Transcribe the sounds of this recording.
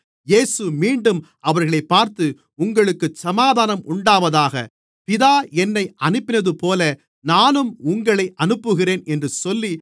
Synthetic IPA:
jeːsɯmiːɳɖɯm | ʔɐʋɐɾɣɐɭɐɪpːaːɾt̪ɯ | ʊŋɡɐɭɯkːɯsɐmaːðaːnɐmʔʊɳɖaːʋɐðaːɣɐ̰ | pɪðaːɛnːɐɪʔɐnɯpːɪnɐðɯpoːlɐ | naːnɯmʊŋɡɐɭɐɪʔɐnɯpːɯɣɪreːnɛndrɯsɔlːi

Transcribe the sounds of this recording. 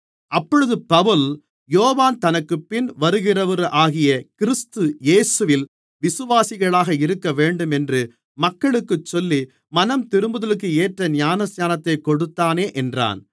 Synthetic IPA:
ʔɐpːɔɻɯðɯpɐʋɯl | joːʋaːnt̪ɐnɐkːɯpːɪnʋɐɾɯɣɪrɐʋɐɾʔaːɣɪjɐkɪɾɪst̪ɯjeːsɯʋɪl | ʋɪsɯʋaːsɪɣɐɭaːɣɐɪɾɯkːɐʋeːɳɖɯmɛndrɯ | mɐkːɐɭɯkːɯt͡ʃːɔlːi | mɐnɐmt̪ɪɾɯmbɯðɐlɯk̬ːɯeːʈrɐnɪjaːnɐsɲaːnɐt̪ːɐɪkɔɽɯt̪ːaːneːʔɛndra̰ːn

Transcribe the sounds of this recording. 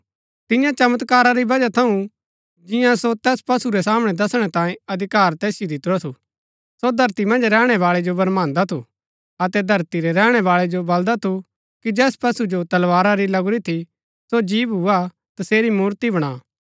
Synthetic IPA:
t̪ɪ̃jãt͡ʃɐmət̪kaːɾaɾibɐd͡ʒat̪ʰɐũ | d͡ʒɪ̃jãsot̪ɛːspɐsuɾɛsaːməɽ̃ɛd̪ɐsɽ̃ɛt̪ãːjẽɐd̪ʱɪkaːɾt̪ɛːsɪjod̪ɪt̪ɾot̪ʰu | sod̪ʱɐɾt̪imɐ̃nd͡ʒɾɛːɽ̃ɛʋaːɭɛd͡ʒobɐɾmãːnd̪at̪ʰu | ɐt̪ɛd̪ʱɐɾt̪iɾɛɾɛːɽ̃ɛʋaːɭɛd͡ʒobɐld̪at̪ʰu | kid͡ʒɛːspɐsud͡ʒot̪ɐlʋaːɾaɾilɐɡʊɾit̪ʰi | sod͡ʒiːʋɦua | t̪ɐseːɾimuːɾt̪ibɐɽ̃aː

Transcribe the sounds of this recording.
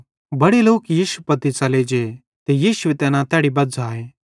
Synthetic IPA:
bɐɽeloːkjiːsupɐt̪it͡ʃɐled͡ʒe | t̪ejiːsʊʋet̪ɛːnãt̪ɛːɽibɐdd͡zaːeː

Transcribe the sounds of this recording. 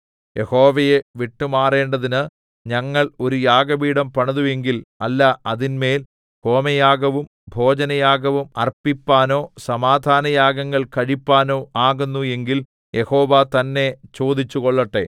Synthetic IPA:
je̞ho̞ːʋɐje̞ʋiʈːumaːre̞ːɳɖɐðinɨ | ɲɐŋːɐɭo̞ɾujaːɡɐʋiːɽɐmpɐɳɐðue̞ŋɡilɐlːɐɐðinme̞ːl | ko̞ːmɐjaːɡɐʋum | bʱo̞ːd͡ʑɐnɐjaːɡɐʋumɐ̰rpipːaːno̞ːsɐmaːd̪ʱaːnɐjaːɡɐŋːɐɭkɐɻipːaːnoːʔaːɣunːue̞ŋɡil | jʔe̞ho̞ːʋat̪ɐnːe̞t͡ɕo̞ːd̪ʱit͡ɕːuɣo̞ɭːɐʈːe̞̰

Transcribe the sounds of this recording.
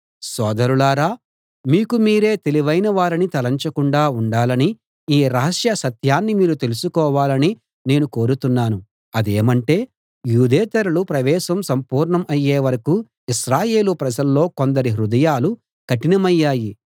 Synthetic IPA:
sɔːd̪ɐɾulaːɾaː | miːkumiːɾe̞ːt̪e̞liʋɐjnɐʋaːɾinit̪ɐlɐɲt͡ʃɐkuɳɖaːuɳɖaːlɐni | iːɾɐɦɐʂjɐsɐt̪jaːnːimiːɾut̪e̞lusukɔːʋaːlɐni | ne̞ːnuko̞ːɾut̪unːaːnu | ɐd̪eːmɐɳʈe̞ː | juːd̪ɛːt̪ɐɾulupɾɐʋɛːʃɐmsɐmpuːɾɳɐmɐjːeːʋɐɾɐku | iʃɾaːje̞ːlupɾɐd͡ʒɐlːo̞ːkond̪ɐɾiɦɾud̪ɐjaːlu | kɐʈinɐmɐjːaːji

